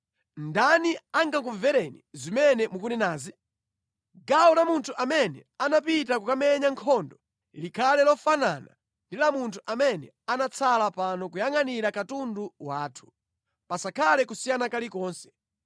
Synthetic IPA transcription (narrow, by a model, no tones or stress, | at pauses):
ndaniaŋɡak̬uvɛɾɛnizimɛnɛmukunɛnaːzi | ɡawɔlamuntʰuʔamɛnɛ̰anapitakukamɛɲaŋkʰɔndɔ | likʰalɛlɔfanana̰ | ndilamuntʰuʔamɛnɛ̰ | anat͡sʰalapanɔk̬ujaŋaniɾakatunduwaːtʰu̥ | pasakʰalɛkusijanakalikɔːnsɛ̥